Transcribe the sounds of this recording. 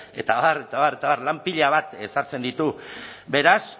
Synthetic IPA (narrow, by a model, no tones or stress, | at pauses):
e̞t̪aβare̞t̪aβaret̪aβarlampiʎaβ̞at̪e̞saɾt͡se̞nd̪it̪ube̞ɾas